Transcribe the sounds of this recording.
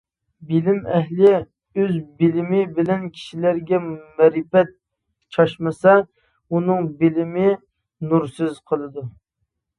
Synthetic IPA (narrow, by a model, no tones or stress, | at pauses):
bɪlɪmɛɦlɪ | øzbɪlɪmɪbɪlɛnkʲʰi̥ʃilæɾɡʲɛmɛɾɪpɛt̪̚ | t͡ʃʰɑʃmɨsɑ | unɨŋbɪlɪmɪ | nuɾsyz̥qʰəlˠɨd̪u